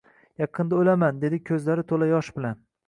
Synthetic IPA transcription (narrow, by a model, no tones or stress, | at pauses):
jɑqʰɨnd̪aolamand̪e̞d̪ɪkʲʰɵzlaɾɪt̪ʰolajɒʃbɪlan